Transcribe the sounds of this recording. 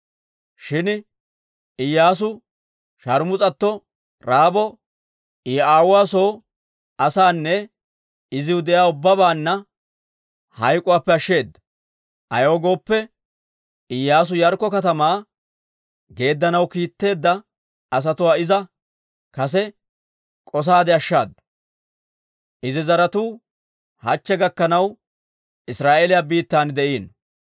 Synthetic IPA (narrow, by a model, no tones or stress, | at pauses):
ʃɪn | ɪjːaːs̬ʊ | ʃɐɾmʊt͡sʼɐt̪ːɔ | ɾaːbɔ | ɪaːwʊaːso̞ː | ɐsaːnːɛ | ɪzɪwʊd̪ɛjaːʊbːɐbaːnːɐ | hɐjkʼʊwaːpːɛɐʃːe̞ːd̪ːɐ̥ | ʔɐjoːɡo̞ːpːɛ | ɪjːaːs̬ʊjɐɾkːɔkɐt̪ɐmaː | ɡe̞ːd̪ːɐnɐwkiːt̪ːe̞ːd̪ːɐ | ɐs̬ɐt̪ʊwaːɪzɐ | kɐs̬ɛ | kʼɔs̬aːd̪ɛɐʃːa̰ːd̪ɐ̥ | ʔɪzɪzɐɾɐt̪uː | hɐt͡ʃːɛɡɐkːɐnɐw | ɪsɾaːʔelɪjaːbiːt̪ːaːnd̪ɛʔiːn